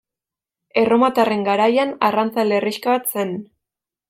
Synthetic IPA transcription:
e̞ro̞mat̪are̞ŋɡaɾajanarant͡saleriʃkaβat̪se̞n

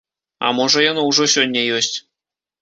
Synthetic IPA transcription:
ɑ̰moʐɤ̆jɤ̆nɤ̆uʐoɕonʲːejøɕtʲ

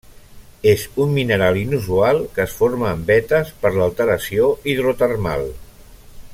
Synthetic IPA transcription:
ezumminəɾalinuzualˠkəːsfoɾməːmbɛt̪əspəɾləlˠt̪əɾəsioiðɾot̪ərma̰lˠ

